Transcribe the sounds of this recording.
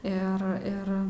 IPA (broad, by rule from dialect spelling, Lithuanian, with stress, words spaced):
ɪr ˈɪr